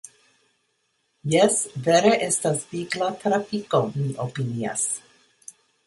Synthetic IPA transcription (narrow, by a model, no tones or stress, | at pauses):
jɛsvɛɾeʔestasviɡlat̪ɾafikomiʔopinia̰s